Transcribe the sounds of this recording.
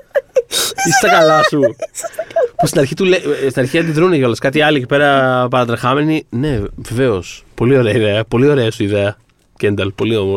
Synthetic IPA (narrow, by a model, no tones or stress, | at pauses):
ist̪ɐkɐlɐsu | pust̪inɐɾçit̪ulest̪inɐɾçiɐt̪̬iðɾuneʝo̞lɐskɐt̪̬iɐlicipe̞ɾɐpɐɾɐd̪ɾɐxɐme̞nine̞ve̞ve̞o̞spo̞lio̞ɾeɐiðe̞ɐpo̞lio̞ɾeɐsuiðe̞ɐ | ce̞nd̪ɐlpo̞lio̞mo